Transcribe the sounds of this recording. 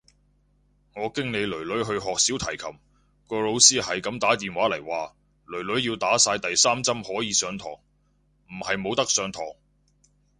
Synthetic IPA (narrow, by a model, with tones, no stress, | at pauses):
ŋɔː˨˧kɪ˥ŋle˨˧jlɵ˨˩ɥlɵ˨˥ɥɦɵ˧ɥɦɔː˨k̚siː˨˥wt̪ʰɐ˨˩jkʰɐ˨˩m | kɔː˧lo˨˧wsiː˥hɐ˨jkɐ˨˧˥mt̪aː˨˥t̪iː˨nwaː˨˥lɐ˨˩jwaː˨ | lɵ˨˩ɥlɵ˨˥ɥjiː˧wt̪aː˨˥saː˧jt̪ɐ˨jsaː˥mt͡sɐ˥mhɔː˨˥jiː˨˧sœː˨˧ŋt̪ʰɔ̰ː˨˩ŋ | m̩˨˩hɐ˨jmo˨˧wt̪ɐ˥k̚sœː˨˧ŋt̪ʰɔː˨˩ŋ